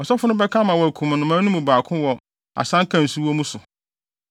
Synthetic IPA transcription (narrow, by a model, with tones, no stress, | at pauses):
ɔ˨sɔ˦fʊ˦nʊ̃˦bɛ˦kʰã˦mã˨wɔ˨æ˨kʰũ˨m˨nʊ̃˨˦mãː˦nũ˦mũ˨baː˨kʰʊ̃˦wɔ˨ | a̰˨sã˦ŋ˦kʰã˨n˨su˦wɔ˦mũ˦sʊ˨